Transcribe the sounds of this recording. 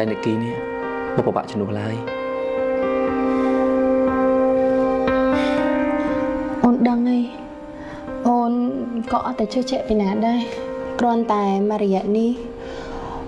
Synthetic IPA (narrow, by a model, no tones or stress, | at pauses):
aɛnɨəʔkiːnih | ɓopəɓa̰ʔt͡ɕənuəhlaəj | ʔoːnɗəŋəj | ʔoːnkɑːʔat̪ːaːt͡ɕʰəːht͡ɕɛʔpinaːɗaɛkrŏənt̪aɛmarɔjɛ̆əʔnih